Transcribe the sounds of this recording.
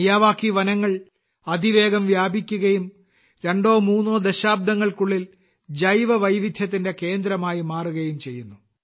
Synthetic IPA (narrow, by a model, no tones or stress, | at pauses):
jaːʋaːkːiʋɐnɐŋːɐɭ | ɐd̪ʱiʋe̞ːɡɐmʋjaːbʱikʲːuɣɐjum | ɾe̞ɳɖo̞ːmuːnːoːd̪eɕaːb̚d̪ɐŋːɐɭkuɭːil | d͡ʑɐjʋɐʋɐjʋid̪ʱjɐt̪ːinde̞ke̞ːnd̪ɾɐmaːjimaːruɣɐjumt͡ɕe̞jːunːu